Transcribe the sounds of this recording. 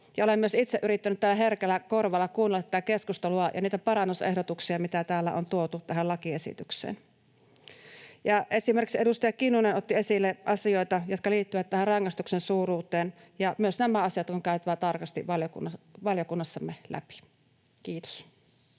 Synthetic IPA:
jɑolemyøsit̪seʔyɾit̪ːænyt̪tælːæɦerkelːˑækorʋɑlːɑkuːnelːɑt̪ːiæt̪ækeskust̪eluɑjʔɑ̰niːt̪æpɑɾɑnːusḛhdot̪uksiɑmit̪æt̪æːlːæ̰ʔo̰nt̪uot̪ut̪æɦælɑkiesḭt̪yksḛːn | jɑʔesimerkiksedust̪ɑjɑkinːunenot̪ːiesilːeʔɑsioit̪ɑjot̪kɑliːt̪ːyʋæt̪t̪æhærrɑŋːɑst̪uksensuːruːt̪eːn | jɑmyøsnæmæɑsijɑt̪kuŋkæˑyt̪æʋæt̪ɑrkɑst̪ḭʋɑljokṵnɑʋɑljokunːɑsːɑmːelæ̰pi̥ | kiːt̪o̥s

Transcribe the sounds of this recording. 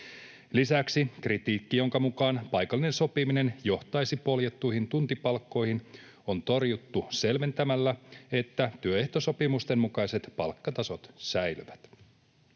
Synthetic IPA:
lisæksikrit̪iːkːijo̞ŋkɑmukɑːnpɑjkɑlːine̞nso̞pimine̞njo̞ht̪ɑjsipo̞ljet̪ːujɦint̪unt̪ipɑlkːo̞jhin | o̞nt̪o̞rjut̪ːuse̞lʋe̞nt̪æmælːæe̞t̪ːæt̪yøe̞ht̪o̞so̞pimust̪e̞mmukɑjse̞t̪pɑ̰lkːɑt̪ɑso̞t̪sæjlyʋæt̪

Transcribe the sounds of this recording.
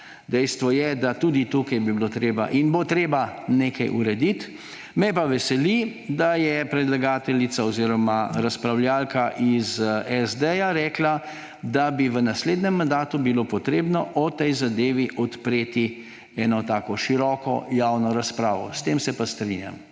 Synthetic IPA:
d̪ɛjst̪ʋɔjɛd̪at̪ud̪it̪ukajbibilot̪ɾeːba̰ʔinbot̪ɾeːbaneːkajʔṵɾɛd̪it̪ | mɛpaʋɛsɛlid̪ajɛpɾɛd̪laɡaːt̪ɛlit̪saɔziɾɔmaɾaspɾawljaːlkaʔizɛzd̪ɛjaɾɛːkla | d̪abiʋənasled̪nɛmːand̪aːt̪ubilopɔt̪ɾeːbnɔʔɔt̪ɛjzad̪eːʋiʔɔt̪pɾeːt̪i | ɛnɔt̪aːkɔʃiɾɔkɔ̰jawnɔɾaspɾa̰ːʋɔ̰st̪emsɛpast̪ɾinja̰m

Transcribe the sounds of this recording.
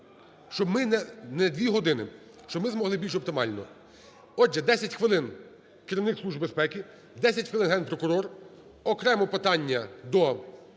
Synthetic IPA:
ʃt͡ʃɔbmɪnɛnɛd̪ʋʲiɦɔd̪ɪnɪ̰ | ʃt͡ʃɔbmɪzmɔɦlˠɪbʲilʲʃɔp̚t̪ɪmɑ̰lʲnɔ̰ | ɔd͡ʒɛd̪ɛsʲɐtʲxʋɪlˠɪn | kɪɾʲiʋnɪkslˠuʒbespɛkʲi | d̪ɛsʲɐtʲxʋɪlɪnɦɛnpɾɔkʊɾɔr | ɔkɾɛmɔpɪt̪ɑnʲːɐd̪ɔ

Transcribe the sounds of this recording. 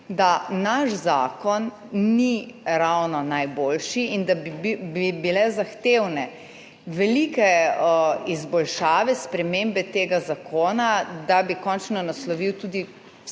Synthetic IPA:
d̪anaʃzaːkɔnː | iɾawnɔnajboːlʃiind̪aibibilɛzaxt̪ewnɛ | ʋɛlikɛ | izbɔlʃaːʋɛspɾɛmeːmbɛt̪eːɡazakʰoːnad̪abikɔnt͡ʃnɔnaslɔʋiwt̪uːd̪i

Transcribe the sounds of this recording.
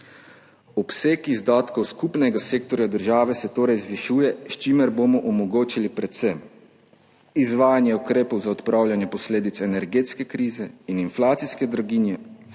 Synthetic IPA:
ɔpseːkizd̪aːt̪kɔwskupnɛɡaseːkt̪ɔɾjad̪əɾʒaːʋɛsɛt̪oːɾɛjzʋiʃujɛʃt͡ʃimɛɾbomɔʔɔmɔɡoːt͡ʃilipɾɛt̪sɛm | izʋaːjanjɛukɾeːpɔwzaɔt̪pɾawlʲjanjɛpɔsleːd̪it̪sɛnɛɾɡeːt̪skɛkɾiːzɛininflaːt̪siskɛd̪ɾɔɡinjɛ

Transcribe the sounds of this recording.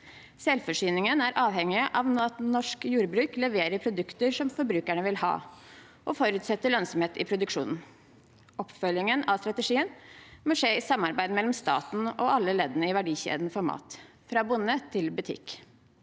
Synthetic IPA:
sɛlfɔʂyːnɪŋənæɾʔɑːʋhɛŋːɪəʔɑʋnɑt̪nɔʂkjuːɾbɾʉːklɛʋeːɾəɾpʰɾʊd̪ʉkt̪əɾʂɔmfɔɾbɾʉːkæɳəʋɪlhɑ̰ː | ʔɔfɔɾʉːt̪sɛt̪ːəɭœnsɔmheːt̪ɪ̰pʰɾʊd̪ʉkʂṵːnn̩ | ʔɔpːfœljɪŋənɑst̪ɾɑt̪ɛʂiːənmɔʂeːɪsɑmːɑɾbæɪd̪mɛlɔmst̪ɑ̰ːt̪n̩ɔʔɑlːəleːd̪ənəɪʋæɖiːçḛːd̪n̩fɔɾmɑ̰ːt̪ | fɾɑːbʊnːət̪ʰɪlbʉt̪ʰɪ̰k

